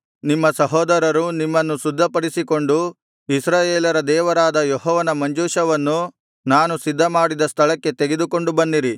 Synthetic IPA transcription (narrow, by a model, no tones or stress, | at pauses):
nimːɐsɐɦɔːd̪ɐɾɐɾunimːɐnːusud̪ʱːɐpɐɽisiko̞ɳɖu | isɾaːjeːlɐɾɐd̪ɛːʋɐɾaːd̪ɐjɔɦɔːʋɐnɐmɐɲd͡ʒuːʃɐʋɐnːu | naːnusid̪ʱːɐmaːɽid̪ɐst̪ʰɐɭɐkːe̞t̪eɡe̞d̪uko̞ɳɖubɐnːiɾi